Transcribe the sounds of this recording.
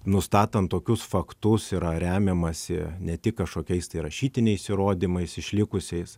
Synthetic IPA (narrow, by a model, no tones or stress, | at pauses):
nʊst̪ɑːt̪ɐnt̪ːoːkʲʊsfɐkt̪ʊsiɾɐɾʲæːmʲemɐsʲɪ̰nʲɛt̪ʲɪkkɐʃkoːkʲɛɪst̪ɐɪɾɐʃʲiːt̪ʲɪnʲɛɪsʲɪɾoːd̪ʲimɐɪsɪʃʲlʲɪkʊsʲɛɪs